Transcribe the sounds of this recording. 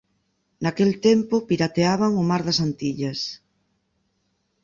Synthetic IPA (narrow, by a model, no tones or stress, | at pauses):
nakelt̪empʊpiɾat̪eaβ̞aŋʊmaɾðɐsant̪iʎɐs